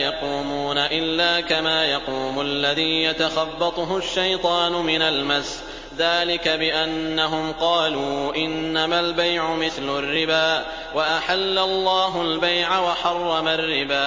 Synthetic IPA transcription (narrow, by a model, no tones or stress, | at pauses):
jɑquːmuːnaʔɪlːaːkamaːjɑquːmʊalːaðiːjat̪axɑbːɑt̪ˤʊɦʊʃːajt̪ˤɑːnʊmɪnalmas | ðaːlɪkabɪʔanːaɦʊmqɑːluːʔɪnːamalbajʕʊmɪθlʊrːɪbaːʔ | waʔaħalːalˤːɑːɦʊlbajʕawaħɑrˤːɑmarːɪbaː